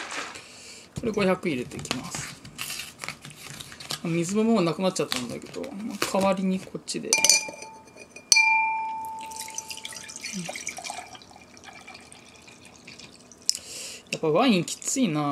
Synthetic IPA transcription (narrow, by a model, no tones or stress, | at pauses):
ko̞ɾe̞ɡo̞çʲakɯ̟iɾe̞t̪e̞kʲimasɨ̥ | mamʲizɨmomoːnakɯ̟natːt͡ɕat̪ːãnd̪a̰ke̞d̪o̞̰makʰaβaɾʲiɲ̟ikʰo̞t͡ɕid̪e̞̰ | ɯ̃ | japːaβãĩŋkʲi̥t͡sɨina